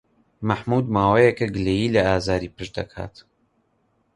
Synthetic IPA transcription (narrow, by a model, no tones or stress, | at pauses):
mɐħmuːd̪maːwejɛkɐɡɨlejiːlɐaːzaːɾiːpɨʃd̪ɐ̰kʰa̰ːt̪